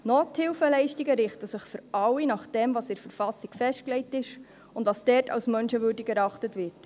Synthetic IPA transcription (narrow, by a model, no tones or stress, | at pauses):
noːthɪlfəlɛɪʃtiɡəɾɪχtəsəχfʏɾɑlːinɑχd̥ɛmvɑːsɪɾfəɾfɑsiɡfɛʃt̚klɛɪtɪʃ | ʊndʋɑːsdɛːtʰɑ̰wsmœnʃəʋøːɾdiɡɛɾɑχtətʋɪɾt